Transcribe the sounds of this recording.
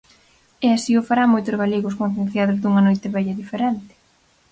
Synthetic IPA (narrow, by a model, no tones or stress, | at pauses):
ɛasiʊfaɾamojt̪ʊzɣaleɣʊskõnθjen̟θjaðʊzðuŋɐnojt̪ɪβɛʎɐðifeɾɛnt̪ɪ̥